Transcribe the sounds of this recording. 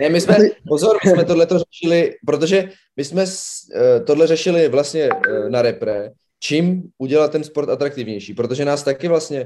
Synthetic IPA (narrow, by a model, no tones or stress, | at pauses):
nɛmɪsmɛpo̞zo̞ɾmɪsmɛt̪o̞dlɛt̪o̞rɛʃɪlɪpɾo̞t̪̬o̞ʒɛ | mɪsmɛst̪o̞dlɛrɛʃɪlɪvlast̪ɲɛnaɾɛpɾɛ | t͡ʃiːmʔuɟɛlalt̪ːɛnspoɾt̪at̪ɾak̚t̪ɪvɲɛjʃiːpɾo̞t̪o̞ʒɛnaːst̪akɪvlast̪ɲɛ